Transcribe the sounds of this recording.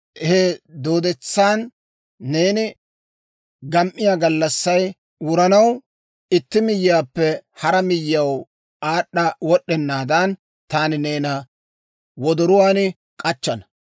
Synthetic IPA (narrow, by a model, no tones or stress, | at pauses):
hɛd̪o̞ːd̪ɛt͡sːaːnː | e̞ːnɪ | ɡɐmʔɪjaːɡɐlːɐsːɐj | wʊɾɐnɐw | ɪt̪ːɪmɪjːaːpːɛhɐɾɐmɪjːɐw | aːɗːɐwɔɗːɛnːaːd̪ɐn | t̪aːnɪne̞ːnɐ | wɔd̪ɔɾʊwaːnɪ | kʼɐt͡ʃːɐnɐ